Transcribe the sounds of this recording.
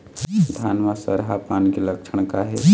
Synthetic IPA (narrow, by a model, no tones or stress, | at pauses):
d̪ʱaːnʋasə̰ɾɦapaːnkelɐkʃʰəɽ̃kaɦɛ